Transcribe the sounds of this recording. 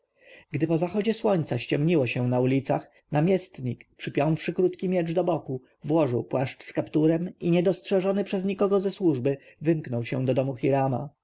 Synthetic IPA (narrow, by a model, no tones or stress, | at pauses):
ɡ̥d̪ɘpɔzaxɔd͡ʑɛswɔɲt̪saɕt͡ɕɛmɲiwɔɕɛ̃naulʲit̪sax | namʲjɛst̪ɲikpʂɘpʲjɔw̃fʂɘkɾut̪kʲimʲjɛd͡ʐd̪ɔbɔku | vwɔʐɘwpwaʂt͡ʂskapt̪uɾɛmiɲɛd̪ɔstʂɛʐɔnɘpʂɛzɲikɔɡɔzɛswuʐbɘvɘmknɔwɕɛ̰̃d̪ɔd̪ɔmuxʲiɾama̰